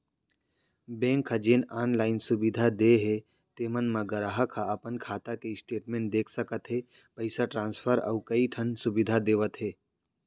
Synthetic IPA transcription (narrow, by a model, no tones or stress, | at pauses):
bẽːŋkʰːad͡ʒeːnaːnlaːɪnsʊbɪd̪ʱad̪eːɦe | t̪eːmənmãɡɐɾaɦəkʰaɐpənkʰaːt̪akeɪsʈeːʈmẽːɳʈ̚d̪eːkʰsəkət̪ɦe | pəɪsaʈɾãːnspʰəɾɐ̰ːkɐiʈʰənsʊbɪd̪ʱad̪eːʋət̪ɦeː